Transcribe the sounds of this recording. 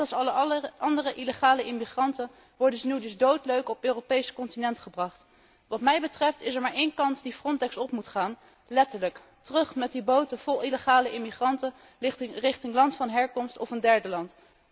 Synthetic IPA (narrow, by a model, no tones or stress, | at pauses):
ɑlˠsɑlɑndərəʔiləχaːləʔɪmiχrɑntən | ʋɔɹdəzənywdɵzdowtløɥkɔpøːropejsə̥kɔntinɛntχəbrɑχt | ʋɑtmɛjbətrɛftɪsɛɹmaːɹʔejnkɑntdifrɔntɛksɔpmutχaːn | lɛtəɹlək | tərɵχmɛt̚dibowtəv̥ɔlˠiləχaːləʔɪmiχrɑntə | rɪχtɪŋlɑntfɑnɦɛɹkɔmstɔfəndɛɹdəlɑnt